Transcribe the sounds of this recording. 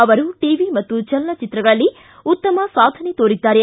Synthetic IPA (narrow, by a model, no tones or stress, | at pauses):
ɐʋɐɾuʈiːʋimɐt̪ːut͡ʃɐlːɐt͡ʃit̪ɾɐɡɐɭɐlːi | ut̪ːɐmɐsaːd̪ʱɐnet̪oːɾid̪ːaːɾe